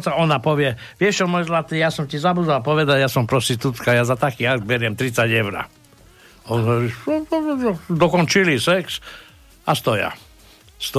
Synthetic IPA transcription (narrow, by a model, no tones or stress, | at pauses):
saɔnapɔʋjɛ | ʋɪɛʃt͡ʃɔmɔjzlat̪ijasɔmtizabud̪alpɔʋɛd̪aɟjasɔmpɾɔst̪it̪ut̪kajazat̪akiaɡbɛɾjɛmt̪ɾit̪t͡sːaɟɛʊɾa̰ | ɔnɦɔɾi | d̪ɔkɔnt͡ʃilisɛks | ast̪ɔja̰ | st̪ɔ